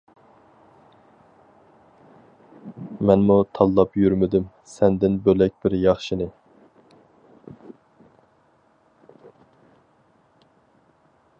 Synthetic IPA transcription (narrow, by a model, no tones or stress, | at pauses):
mɛnmut̪ʰɑlˠːɑpjyɾmɪd̪ym | sɛnd̪ɪnbølɛk̚ʲb̥ɪɾjɑχʃinɨ